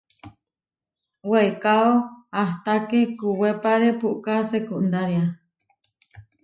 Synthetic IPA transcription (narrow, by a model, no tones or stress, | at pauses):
weekaoaht̪akekuwepaɾepuʔkasekuʔnd̪aɾia